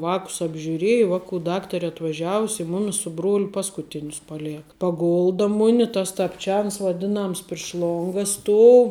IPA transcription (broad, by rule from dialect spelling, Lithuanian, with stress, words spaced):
ˈʋɑːkʊs ɐbʲʒʲʊˈrʲiɛjɛ ˈʋɑːˌkʊ ˈdɑːktɐrʲɛ ɐtʋɐˈʒʲæːʋʊsʲ ɪ ˈmʊmʲɪs sʊ ˈbruɔlʲʊ ˈpɑːskʊˌtʲɪnʲʊs pɐˈlʲeːkɐ pɐˈɡʊlˠdɐ ˈmʊnʲɪ tɐs tɐpʲˈt͡ʃʲɛns ʋɐˈdʲɪnɐms pʲrʲɪʃ ˈlˠoːŋɡɐ ˈstuɔʊ